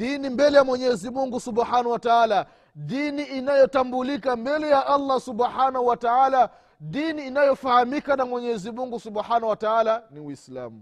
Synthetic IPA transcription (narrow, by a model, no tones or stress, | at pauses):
dinimbɛlɛjamwɛɲɛzimuŋɡusuɓħanawataala | ɗiniʔinajɔtambulikambɛlɛjaʔalˤːasuɓħanahuwataala | ɗiniːnajɔfahamikanamwɛɲɛzimuŋɡusuɓħanawataalaniwisla̰mu